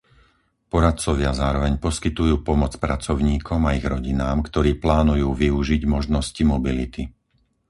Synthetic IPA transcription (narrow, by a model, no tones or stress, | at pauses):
pɔɾat̪t͡sɔʋɪazaːɾɔʋɛɲpɔskit̪ujuːpɔmɔt͡spɾat͡sɔʊɲiːkʰɔmaiɣɾɔɟinaːmkt̪ɔɾiːplaːnujuːʋiuʒiɟmɔʒnɔscimɔbilit̪i